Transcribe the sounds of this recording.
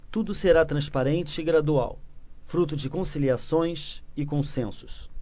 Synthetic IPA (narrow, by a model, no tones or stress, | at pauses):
t̪ud̪ʊseɾat̪ɾɐ̃spaɾẽnt͡ʃɪɪɡɾad̪ua̰wfɾut̪̬ʊd͡ʒɪkõsiliasõj̃sɪkõsẽsʊ̥s